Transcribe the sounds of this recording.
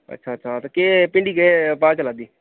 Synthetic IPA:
ə̰tːʃʰaːətːʃʰaːt̪akeːpɪ̃ɳɖiːkepaːt͡ʃəlaːd̪iː

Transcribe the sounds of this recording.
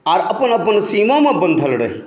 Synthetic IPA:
aːɾɐpənɐpənsiːmõmẽbə̃nd̪ʱəlɾɐɦi

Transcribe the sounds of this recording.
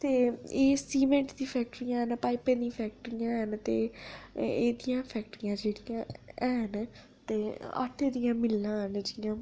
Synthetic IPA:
t̪eːeːsiːmẽɳʈd̪ĩːpʰɛːk̚ʈəɾijãːɦənpaːipẽːd̪ĩpʰɛːk̚ʈɾijãːɦənt̪ḛː | eːd̪ijãːpʰɛːk̚ʈɾĩjãːd͡ʒeːɽɪjãːɛːɦən | t̪eːa̰ːʈʰːẽːd̪ijãːmɪlːãːɦənd͡ʒɪjãː

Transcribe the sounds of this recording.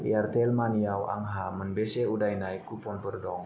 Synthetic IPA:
ḭart̪ɛlmaniawa̰ŋɦamənbɛsɛudajnaikupɔnpərd̪ɔŋ

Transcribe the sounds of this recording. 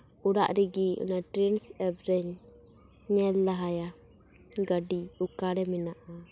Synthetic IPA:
uɾa̰ʔɾiɡiṵnatɾinsɛbɾɛɲː | ɛlːaɦaja | ɡadiukaɾɛminaʔa

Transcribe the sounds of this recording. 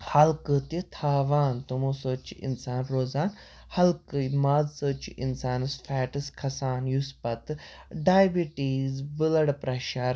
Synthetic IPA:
hɐlkɨt̪it̪ʰaːʋaːnt̪umõːsoːt͡ʃiʔḭnsaːnɾoːzaːn | hɐlkɨmaːzsoːt͡ʃiʔinsaːnɨsfʰɛːʈɨskʰɐsaːnjuspɐt̪ɖaːjbiʈiːzbɨlɐɽpɾɐʃaːɾ

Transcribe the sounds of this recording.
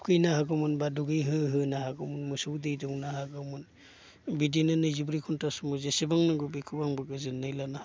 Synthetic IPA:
kʰɯjnaɦaɡɯmunbaduɡijɦɯɦɯnahaɡɯmunmusuwdejdɯwnaɦaɡɯmun | bidinɯnɯjzibɾikʰuntasumuzesibaŋnɯɡubikʰɯbaŋbaɡɯzɯnːajlana

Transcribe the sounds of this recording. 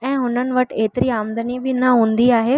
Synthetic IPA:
ɛ̃ːɦʊnənɪ̆ʋɐʈʰeːt̪ɪɾiaːmd̪ənibʱɪnɐɦũːnd̪iaːɦe

